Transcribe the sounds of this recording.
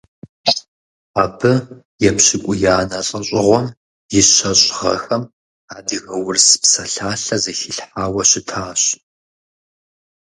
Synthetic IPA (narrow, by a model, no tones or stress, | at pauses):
aːbɨ | jɛpɕɪkʷʼʊjaːnɐɬʼɐɕʼɪʁʷɔm | jɪɕɐɕʼʁɐ̰xɐm | aːdɨɣɐwʊrspsɐɬaːɬɐzɐxiɬħaːwɐɕɪtʰaːɕ